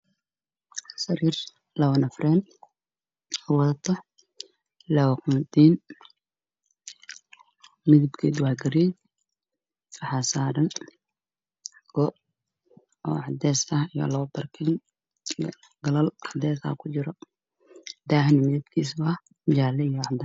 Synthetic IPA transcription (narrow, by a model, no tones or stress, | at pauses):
sɐɾiːr | lɐwɐnɐfrɛːn | ɔwɐðɐt̪ʰɔ | lɐwqund̪iːn | mɪðɪbkʰiːd̪waːɡɐɾiɛ | fɐħasaːɾɐn | ɡ̥ɔ | ɔ̰ːʕɑd̪ɛːsɐijɔ̰lɐɐbɐrkʰɛn | ij̰ | ɡɐlɐlʔɑd̪ɛːsɐ̰kʰʊt͡ʃɪɾɔ | d̪aːhnɪmɪðɪb̚kʰiːsbɐ | d͡ʒaːlɛijɔʕɑd̪ɐ